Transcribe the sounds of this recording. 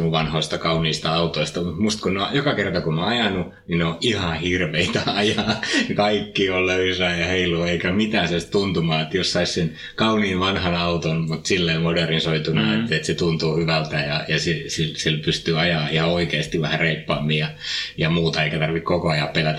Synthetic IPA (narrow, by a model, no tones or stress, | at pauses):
uʋɑnhoist̪ɑkɑuniːst̪ɑɑut̪oist̪ɑmut̪must̪kunneojokɑkert̪ɑkunoɑjɑnu | nineoʔihɑhirʋeit̪æɑjɑːkɑikːiːolløysæːjɑheiluːeikæmit̪æːnsɑist̪unt̪umɑːet̪jossɑissen | kɑuniːʋʋɑnhɑnɑut̪onmut̪silːeimoderinsoit̪unɑet̪ːet̪set̪unt̪uːhyʋælt̪æjɑjɑsisilsilpyst̪yːɑjɑːihɑoikeːst̪iʋʋæhæreipːɑːmːiːjɑjɑmuːt̪ɑeikæt̪ɑrʋikkokoɑjɑppelæt̪æ